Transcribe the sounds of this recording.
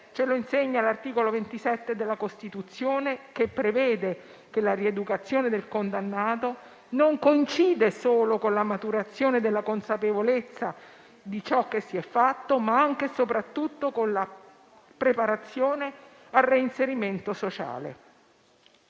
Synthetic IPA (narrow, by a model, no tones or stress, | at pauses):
t͡ʃeloinseɲːalart̪iːkolovent̪isɛt̪ːed̪elːakost̪it̪ut̪sːjoːnekepːɾevɛːd̪e | kelaried̪ukat̪sːjoːned̪elkond̪anːaːt̪o | noŋkoint͡ʃiːd̪esoːlokonlamat̪uɾat̪sːjoːned̪elːakonsapevolet̪sːa | d̪it͡ʃɔkːesːiɛfːat̪ːomaaŋk̟esopɾat̪ːut̪ːokonla | pɾepaɾat̪sːjoːne | arːeinseɾiment̪osot͡ʃa̰ːlḛ